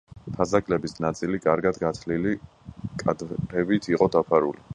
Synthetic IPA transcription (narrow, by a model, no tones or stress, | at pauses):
pʰazakʼlɛbisnat̪sʼilikʼaɾɡad̪ɡat̪ʰlili | kʼad̪ɾɛbit̪ʰiqʼɔd̪apʰaɾṵli